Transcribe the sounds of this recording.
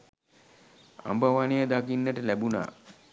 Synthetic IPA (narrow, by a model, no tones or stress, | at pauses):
a̰mbəʋanejəd̪akinːəʈəlæbuna̰ː